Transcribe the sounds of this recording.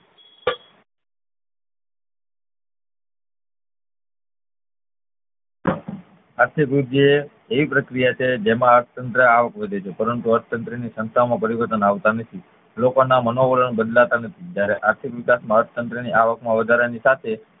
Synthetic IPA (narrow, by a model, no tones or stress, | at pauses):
aɾt̪ʰikɾud͡ʒ̪eː | ʋipɾəkɾijat͡ʃʰed͡ʒemãəɾt̪ʰət̪ənt̪ɾəaʋəkʋed̪ʱet͡ʃʰepəɾənt̪uəɾt̪ʰət̪ənt̪ɾənisə̃nst̪ʰamãpəɾiʋəɾt̪ənaʋt̪anət̪ʰi | lokonamənoʋəɾənbəd̪lat̪anət̪ʰid͡ʒjaɾeʔaɾt̪ʰikʋɪkasmãəɾt̪ʰət̪ənt̪ɾəniaʋəkmãʋəd̪ʱaɾanisat̪ʰe